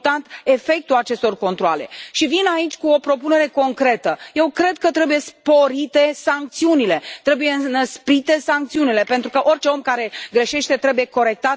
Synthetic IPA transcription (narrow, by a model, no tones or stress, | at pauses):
t̪ant̪e̞fe̞k̚t̪ulat͡ʃe̞st̪o̞rko̞nt̪ɾoa̰le̞̰ʃivinait͡ʃʲkuo̞pɾo̞pune̞ɾe̞ko̞ŋkɾe̞t̪əje̞wkɾe̞d̪̚kət̪ɾe̞buje̞spo̞ɾit̪e̞saŋk̚t̪siunile̞t̪ɾe̞buje̞nəspɾit̪e̞saŋk̚t̪siunile̞pe̞nt̪ɾukəʔo̞rʲt͡ʃe̞o̞mkaɾe̞ɡɾeʃe̞ʃt̪e̞t̪ɾe̞bujeko̞ɾe̞k̚t̪at̪